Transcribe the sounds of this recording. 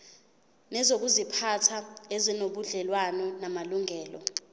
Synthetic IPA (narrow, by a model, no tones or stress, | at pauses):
nɛzok̬uzipʰatʰaezinoɓuɮɛlwanɔnamaluŋɛːlɔ